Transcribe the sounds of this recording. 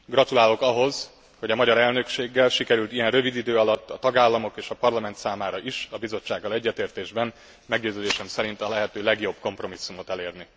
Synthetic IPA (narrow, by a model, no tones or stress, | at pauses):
ɡrɒt̪ulaːlo̞kɒɦo̞z | ho̞ɟɒmɒɟɒɾɛlnø̞kʃeːɡːɛlʃikɛɾylt̪ijɛnrøvid̪id̪øːɒlɒt̪ːɒt̪ɒɡaːlːɒmo̞keːʃɒpɒrlɒmɛnt̪saːmaːɾɒʔiʃɒbizo̞t͡ʃːaːɡːɒlɛɟːɛt̪eːrt̪eːʒbɛn | mɛɡɟøːzøːd̪eːʃɛmsɛɾint̪ɒlɛɦɛt̪øːlɛɡjo̞b̚ko̞mpro̞misːumo̞t̪ɛleːrni